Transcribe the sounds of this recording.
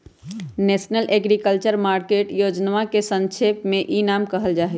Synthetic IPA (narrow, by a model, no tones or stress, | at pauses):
nesnəlʔeɡɾikəlt͡ʃəɾmaɾkeʈjod͡ʒnʋakesə̃nt͡ʃʰepmẽʔinamkəɦəld͡ʒaːɦɛ